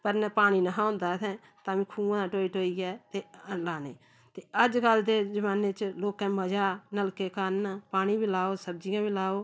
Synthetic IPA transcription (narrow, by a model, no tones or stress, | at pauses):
pəɾnɛːpaːɽ̃iːnəɦãːõnd̪aːt̪ʰɛ̃ː | t̪ãːʋĩːkʰuːãːãːʈoːiʈoːiːɡɛːt̪eːlaːnḛː | t̪eːəd͡ʒkəld̪eːzəʋaːneːt͡ʃloːkɛ̃ːməd͡ʒaːnəlkeːkaːnpaːɽ̃iːbiːlaːoːsəb̚d͡ʒɪjãːbiːlaːoː